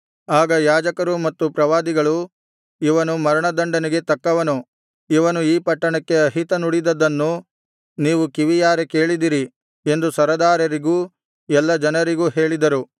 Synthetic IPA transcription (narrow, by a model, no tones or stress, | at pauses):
aːɡɐjaːd͡ʒɐkɐɾumɐt̪ːupɾɐʋaːd̪iɡɐɭu | iʋɐnumɐɾɐɳɐd̪ɐɳɖɐniɡe̞t̪ɐkːɐʋɐnu | iʋɐnuiːpɐʈːɐɳɐkːe̞ɐɦit̪ɐnuɽid̪ɐd̪ɐnːu | niːʋukiʋijaːɾeke̞ːɭid̪iɾi | e̞nd̪usɐɾɐd̪aːɾɐɾiɡuː | ɛlːɐd͡ʒɐnɐɾiɡuːɦe̞ːɭid̪ɐɾu